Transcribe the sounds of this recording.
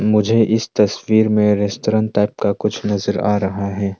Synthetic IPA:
mʊd͡ʒʱeʔɪst̪ɐswiːɾmẽɾɪstʈoɾãːnʈaːɪp̚kakʊt͡ʃʰnɐzəɾa̰ːɾɐɦaɦɛː

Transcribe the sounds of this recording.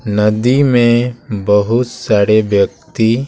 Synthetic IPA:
nəd̪imẽbəɦʊt̪saːɾebjək̚t̪i

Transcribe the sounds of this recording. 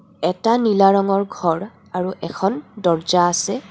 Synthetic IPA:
ɛtanilaɹɔŋɔɹɡʱɔɹ | aɹuʔɛkʰɔndɔɹzaːsɛ

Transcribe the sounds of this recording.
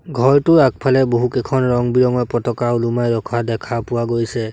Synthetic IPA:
ɡʱɔɹtʊak̚pʰalɛboɦukekʰɔnɹɔŋbiɹɔŋɔpɹɔtɔkaulumajɹɔkʰwadɛkʰapʊwaɡojsɛ

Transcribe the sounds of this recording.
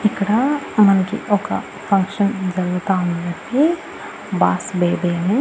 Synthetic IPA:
ɪkɽamɐnkḭʔoːka̰ | pʰɐ̃ŋkʃənd͡ʒɐlːt̪aːnɡɐt̪i | baːsbeːbeːmẽ

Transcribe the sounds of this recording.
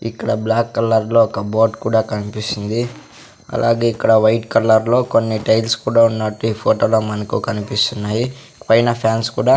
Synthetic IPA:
ikːɐɽɐblaːkːɐlːɐɾlo̞ːɔkɐboːɖkuːɽaːkɐnipisind̪i | ɐ̰lʔa̰ːɡe̞ːikːɐɽɐʋɐjʈkɐlːɐɾlo̞ːko̞nːiʈejlskuːɽaːunːɐʈːuiːpʰoːʈoːloːmɐnɐkukɐnipist̪unːaːji | pɐjnɐpʰjaːnskuːɽaː

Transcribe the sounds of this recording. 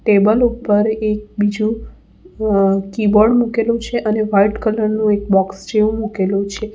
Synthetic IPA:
ʈebəlupəɾek̚bid͡ʒũ | kiboɖmukelut͡ʃʰeʔəneʋaiʈkələɾnũek̚bɔksd͡ʒeũmukelũt͡ʃʰe

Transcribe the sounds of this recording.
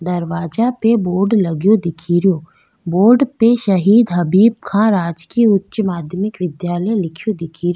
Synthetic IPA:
d̪ɐɾʋaːd͡ʒapeboːɾɖlɐɡjod̪ɪkʰiːɾijoː | boːɾɖpeʃəɦiːd̪ɦɐbiːb̚kʰãːɾaːd͡ʒkiʊtːʃmaːd̪jmɪkʋɪd̪jaːləjlɪkʰjod̪ɪkʰiːɾ

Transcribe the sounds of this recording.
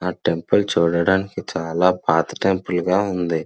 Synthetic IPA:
aːʈempɐlt͡ʃuːɽɐɽaːnikit͡ʃaːlaːpaːt̪ɐ̥ʈempɐlɡaːund̪i

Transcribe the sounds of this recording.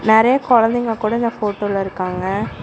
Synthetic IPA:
nɪɾɐjɐkɔɻɐnd̪ɛŋɡɐkuːɽɐɪnd̪ɐfoːʈːoːlɐɪɾɯkːaːŋɡɐ

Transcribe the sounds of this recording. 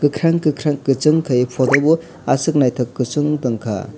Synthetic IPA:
kɯkʰɾaŋkɯkʰɾaŋkɯt͡ʃɯŋkʰɯipʰɔtɔbu | asɯk̚najtʰɯkːɯt͡ʃɯŋtɯŋkʰa̰

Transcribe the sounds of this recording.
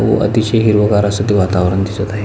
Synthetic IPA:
o̰ʔə̰t̪iɕeɦiɾʋəɡaɾasət̪iʋat̪aʋɾənd̪isət̪aɦe

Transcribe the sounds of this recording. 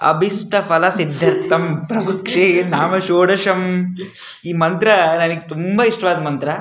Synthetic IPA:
ɐ̰bʱisʈɐfɐlɐsid̪ʱːɐɾt̪ːɐmpɾɐbɐkʂenaːmɐʃoːɽɐʃɐm | iːmɐnt̪ɾɐnɐnɐɡet̪umbɐiʂʈɐʋaːd̪ɐmɐnt̪ɾɐ

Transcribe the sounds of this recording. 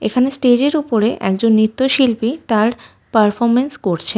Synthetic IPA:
ḛkʰanesʈed͡ʑeɾupoɾeʔɛ̰kd͡ʑonːit̪ːoʃilpit̪aɾ | paɾfoɾmenskoɾt͡ɕʰe

